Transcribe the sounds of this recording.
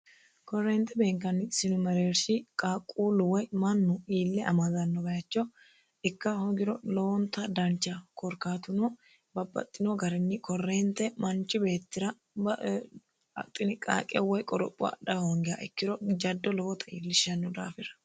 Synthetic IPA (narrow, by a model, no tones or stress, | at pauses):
kɔrːeːnt̪ːɛbe̞ːŋkːɐnɪsɪnʊmɐɾeːɾsɪkʼaːkʼːuːlʊwɔjmɐnːʊiːlːɛʔɐmɐzɐnːɔbɐjɐt͡ʃːɔ | ɪkːɐhɔɡɪɾɔlɔwɔnt̪ːɐd̪ɐnt͡ʃːɐkɔɾkaːt̪ʊnɔ | bɐbːɐ̰t̪ʼːɪnɔɡɐɾɪnːɪkɔrːeːnt̪ːɛmɐnt͡ʃːɪbe̞ːt̪ːɪɾɐ | b | ɐ̰t̪ʼːɪnɪkʼa̰ːkʼɛwɔjkʼɔɾɔpʼːʊɐ̰ɗɐhɔŋɡɪja̰ʔɛkːɪɾɔd͡ʒɐd̪ːɔlɔwɔt̪ʰɐiːlːɪʃɐnːɔd̪aːfɪɾɐ̥